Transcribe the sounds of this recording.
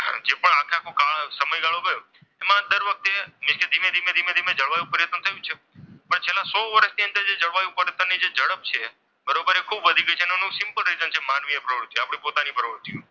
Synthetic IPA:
d͡ʒepəɳakʰakʰokaɭsəməjɡaɭobəjo | emãd̪əɾʋək̚t̪emɪʃked̪ʱimed̪ʱimẽd̪ʱimẽd̪ʱimed͡ʒəɭʋajũpəɾjət̪ət̪ʰəjũt͡ʃʰe | pəɳt͡ʃʰelãsɔʋəɾəʃniənd̪əɾd͡ʒed͡ʒəɭʋajũpəɾjət̪ənːid͡ʒed͡ʒəɽəp̚t͡ʃʰe | bəɾobəɾekʰubʋəd̪ʱiɡəjt͡ʃʰenonũsɪmpəlɾizənt͡ʃʰemanʋiepɾəʋɾut̪ːiapɽ̃epot̪anipəɾoʋɾut̪ːijũ

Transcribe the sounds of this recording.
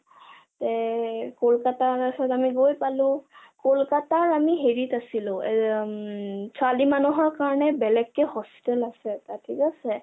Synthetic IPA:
tɛkolkataasɔtamiɡojpalʊ̃kolkataɹamiɦeɹitasilʊ̃ɛ | sʰalimanuɦɔɹkaɹɔnɛbɛlɛkːɛhɔspi̥tɛlasɛtatʰikasɛ

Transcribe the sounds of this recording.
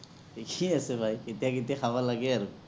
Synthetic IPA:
kiasɛbʱajet̪ijaketijaxʰabalaɡɛaɹu

